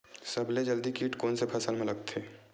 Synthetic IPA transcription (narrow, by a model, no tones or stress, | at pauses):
sɐbled͡ʒəld̪ikiːʈkɔːnsepʰɐsəlmẽlɐɡ̚t̪ʰeː